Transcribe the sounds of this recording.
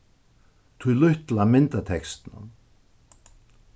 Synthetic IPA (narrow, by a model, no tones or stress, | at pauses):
t̪ʰʏlʏht̪lamɪnt̪at̪ʰɛkst̪na̰m